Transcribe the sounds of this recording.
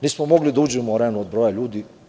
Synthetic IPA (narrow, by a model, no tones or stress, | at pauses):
niːsmomoɡlid̪auːd͡ʑɛmoɾenuod̪̚bɾoːjaʎuːd̪i